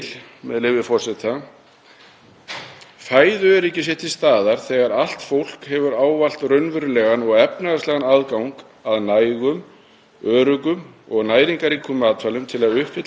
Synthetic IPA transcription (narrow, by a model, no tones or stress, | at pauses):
lmɛðlɪvɪfɔr̥sɛt̪ʰa | faːjðʏɛɾɛhcːɪsjɛht̪ɪst̪aːðaɾ̥θɛɣaɾal̥t̪fowl̥khɛvʏɾaːwval̥t̪rœɥnvʏɾʏlɛɣanɔɣɛp̚naɣaslɛɣanaðkawŋk | aðnaːjɣʏm | œːɾʏkʏm | ɔɣnaːjɾiŋkaɾikʏmaːt̪falʏmt̪ʰɪlaðʏhpɪt̪